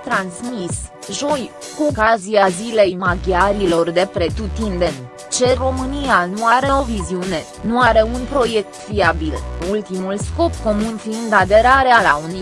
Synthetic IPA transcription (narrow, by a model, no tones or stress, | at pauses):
t̪ɾansmis | ʒo̞j | kuokaziazile̞jmaɡʲjaɾilo̞rd̪e̞pɾe̞t̪ut̪ind̪e̞n | t͡ʃe̞ro̞mɨnianuaɾe̞o̞viziune̞ | nuaɾe̞unpɾo̞je̞k̚t̪fiabilult̪imulsko̞pko̞munfiɨnd̪ad̪e̞ɾaɾealauni